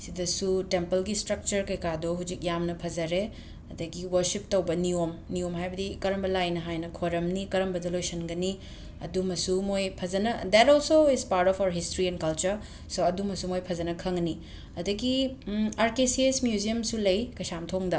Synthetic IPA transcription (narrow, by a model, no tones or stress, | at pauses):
sidɐsutempɐlɡistɾɐk̚t͡ʃɐɾkɐjkadoɦud͡ʒik̚jamnɐpʰɐzɐɾe | ɐdɐɡiwɐɾsip̚tɐwbɐniomniomɦajbɐdikɐɾɐmbɐlajnɐɦajnɐkʰoɾɐmnikɐɾɐmbɐdɐlojsɐnɡɐni | ɐ̰dumɐsumojpʰɐzɐnɐd̪ɛtɔlsoizpaɾtɔpʰawɐɾɦistɾiɛnkɐlt͡ʃɐɾ | soɐdumɐsumojpʰɐd͡ʒɐnɐkʰɐŋni | ɐdɐɡiaɾkesiesmjuziɐmsulɐjkɐjsamtʰoŋdɐ